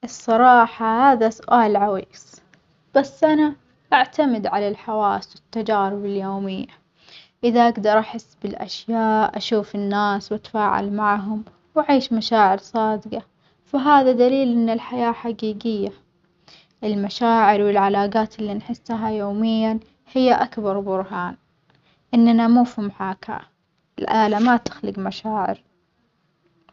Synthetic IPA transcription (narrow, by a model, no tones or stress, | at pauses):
ʔɨsˤːɑɾˤɑːħahaːðasʊʔaːlʕawiːs | b̥asːʔana | ʔaʕt̪amɪd̪ʕalalħawaːswɪt̪ːad͡ʒaːɾɪbɪljoːmɪjːa | ʔɪðaʔaɡd̪ɑɾˤʔaħɪsːbɪlʔa̰ʃjaːʔʔaʃuːfɪnːaːswat̪ḁfaːʕa̰lmaʕɦʊm | waʕiːʃmaʃaːʕɪɾsˤɑːd̪ɡɑ | faɦaːðad̪aliːlʔɪnːɪlħajaːħaɡiːɡɪjːa | ʔɪlmaʃaːʕɪɾwɪlʕalaːɡaːt̪ɪlːinħɪsːaɦajoːmɪjːan | hɪjːaʔakbɑɾˤbʊɾˤɦaːn | ʔɪnːanamuːfimħaːka̰ | ɪlʔaːlamat̪ɪ̥xlɪɡmaʃaːʕɪ̰ɾ